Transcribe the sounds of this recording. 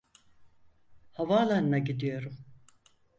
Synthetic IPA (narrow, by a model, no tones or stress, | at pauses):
havalˠanɯnaɟid̪ijo̞ɾum